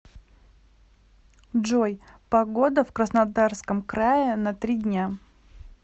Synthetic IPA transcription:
dʐojpɐɡo̞d̪əfkɾəsnɐd̪arskəmkɾajɪnɐt̪ɾʲidʲnʲa

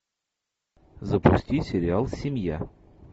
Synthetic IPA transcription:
zəpʊsʲtʲisʲɪɾʲɪalˠsʲɪmʲja̰

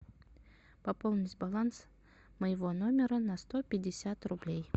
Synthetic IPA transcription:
pɐpolˠnʲɪsʲtʲbalˠans | məjɪvo̞nomʲɪɾənɐst̪opʲɪdʲɪsʲat̪rʊblʲej

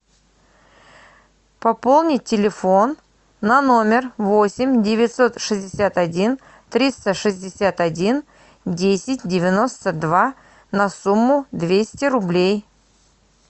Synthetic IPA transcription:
pɐpo̞lˠnʲɪt̚ʲːɪlʲɪfo̞nː | ɐno̞mʲɪrvo̞sʲɪmʲdʲɪvʲɪt̪so̞t̪ʂɨzʲdʲɪsʲat̪ɐdʲin | t̪ɾʲist̪əʂɨzʲdʲɪsʲat̪ɐdʲin | dʲesʲɪtʲdʲɪvʲɪno̞st̪əd̪va | nɐsumːʊd̪vʲesʲtʲɪɾʊblʲej

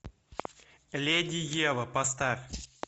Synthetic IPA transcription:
lʲedʲɪjevəpɐst̪afʲ

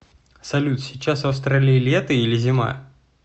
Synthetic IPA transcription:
sɐlʲut̪sʲɪt͡ɕːasvɐfst̪ɾalʲiːlʲɛt̪əilʲɪzʲɪma̰

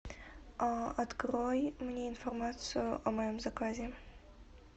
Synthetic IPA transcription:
aɐt̪kɾojmnʲeɪnfɐrmat̪sɨjʊʔɐmɐjɔmzɐkazʲe

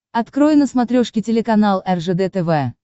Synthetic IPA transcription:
ɐt̪kɾojɪnəsmɐt̪ɾʲoʂkʲɪtʲɪlʲɪkɐnalˠɛrʐɛd̪ɛt̪ɛvɛ

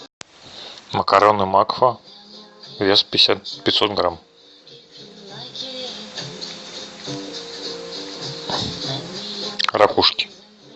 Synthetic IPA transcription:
mɐkaɾanɨmakfɐ | vʲespʲɪsʲat̪pʲɪt̪sɔt̪ɡɾam | ɾakuʂkʲi̥

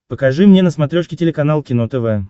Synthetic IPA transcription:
pəkɐʐɨmnʲenəsmɐt̪ɾʲoʂkʲɪtʲɪlʲɪkɐnalˠkʲɪnot̪ɛvɛ

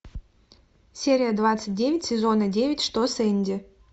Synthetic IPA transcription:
sʲeɾʲɪjəd̪vat̪sət̚ʲdʲevʲɪtʲsʲɪzonədʲevʲɪtʲʂt̪osenʲdʲɪ

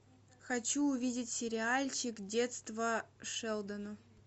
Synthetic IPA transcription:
xɐt͡ɕuːvʲidʲɪtʲsʲɪɾʲɪalʲt͡ɕɪkdʲe̞t̪st̪vəʂɛlˠd̪ənʊ

